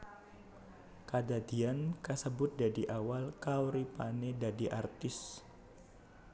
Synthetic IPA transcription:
kadad̪iankasəbʊt̪̚dadiʔawalkawɾipanedadiʔart̪ɪs

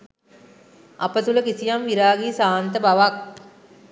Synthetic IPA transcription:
ʔɐpət̪uləkisijamʋiɾaːɡiːsaːnt̪əbaʋak̚

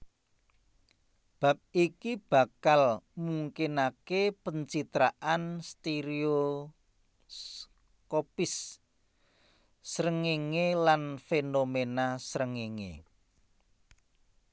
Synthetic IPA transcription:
b̥a̤p̚ikib̥a̤kalmuŋkinakepəɲt͡ʃit̪ɾaʔanst̪eɾio | kopɪs | ɾəŋiŋelanfenomenasɾəŋiŋḛ

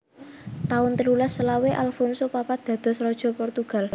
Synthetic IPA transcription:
t̪aʊnt̪əlulasəlaweʔalfɔnsopapad̪̥ä̤d̪̥ɔ̤srɔd̥ʒ̥ɔ̤pɔrt̪uɡ̥a̤l

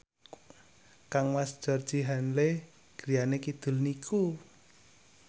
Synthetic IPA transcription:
kaŋwasd̥d͡ʒ̥ɔrd̥d͡ʒ̥iɦanle | ɡ̥ɾijanekid̪̥ʊ̤lnikʰu

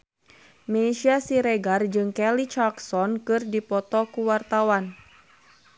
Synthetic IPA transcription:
meʃiasiɾeɡard͡ʒɨŋkɛlit͡ʃaksɔnkɨrdipɔt̪ɔkuwart̪awan

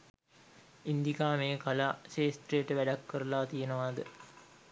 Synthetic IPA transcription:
ind̪ikaːmeːkɐlaːseːsʈrejʈəʋæɖakːəɾəlaːt̪ijenəʋaːd̪ə

